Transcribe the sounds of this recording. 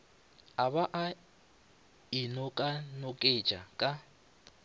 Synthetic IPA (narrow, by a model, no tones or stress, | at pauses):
aβaʔa | inɔkʼanɔkʼet͡ʃʼa̰kʼa